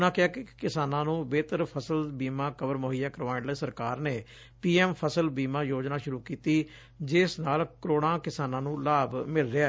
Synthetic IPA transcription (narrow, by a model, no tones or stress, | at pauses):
nãːkɪaːkɪkɪsaːnãːnũːbeːt̪əɾpʰəsəlbiːmãːkəʋəɾmoːɦijaːkəɾʋaːɳləːsəɾkaːɾneː | piːɛːmpʰəsəlbiːmãːjoːd͡ʒnaːʃʊɾuːkiːt̪iː | d͡ʒɪsnaːlkəɾoːɽãːkɪsaːnãːnũːlaːbmɪlɾɪa